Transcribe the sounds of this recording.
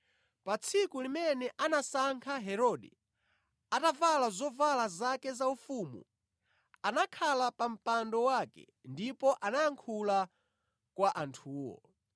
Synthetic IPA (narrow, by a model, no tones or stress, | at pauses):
pat͡sʰikulimɛnɛʔanasaŋkʰaɦɛɾɔdɛ̰ | atavalazɔvalazakɛzaufumṵ | anakʰalapam̩pandɔwakɛ̰ | ndipɔʔanajaŋkʰula | kwaʔantʰuːwɔ̰